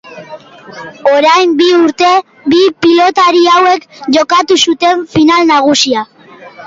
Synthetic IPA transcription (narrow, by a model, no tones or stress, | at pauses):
o̞ɾajmbiuɾt̪e̞ | bipilo̞t̪aɾiawe̞kʝo̞kat̪usut̪e̞ɱfinalnaɣ̞usia